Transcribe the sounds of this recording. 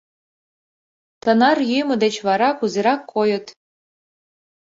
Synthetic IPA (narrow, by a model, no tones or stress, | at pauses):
t̪ənɑrjymɤ̆d̪et͡ɕβɑɾɑkuzeɾɑkʰːojə̆t̪